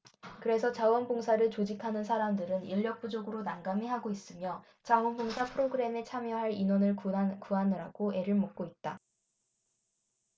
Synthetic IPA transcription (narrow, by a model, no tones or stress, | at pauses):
kɯɾe̞sʰʌt͡ɕawʌnboŋsʰaɾɯɭt͡ɕod͡ʑikʰanɯnsʰaɾamdɯɾɯniʎːʌk̚p͈ud͡ʑoɡɯɾonaŋɡamiɦaɡois͈ɯmjʌ | t͡ɕawʌnboŋsʰapʰɯɾoɡɯɾe̞me̞t͡ɕʰamjʌɦaɾinwʌnɯɭkuɦanɯɾaɡoe̞ɾɯɭmok̚k͈oit̚t͈a